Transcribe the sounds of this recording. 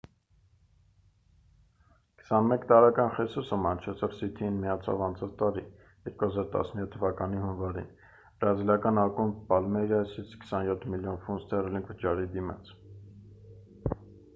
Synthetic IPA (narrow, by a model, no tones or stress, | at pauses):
kə̥sɑnmɛkt̪ɑɾɛkɑnχɛsusəmɑnt͡ʃʰɛt͡sʰɑvsit̪ʰiinmijɑt͡sʰɑ̰vɑnt͡sʰɑt͡sʰt̪ɑɾi | jɛɾkuhɑzɑɾt̪ɑ̰snəjɔt̪ʰːəvɑkɑnihunvɑɾḭn | bɾɑzilɑkɑnɑkumpɑlmɛɾjɑsit͡sʰkə̥sɑnjɔt̪ʰmiljɔnfunst̪ʰɛrliŋɡvət͡ʃɑɾid̪imɑ̰t͡sʰ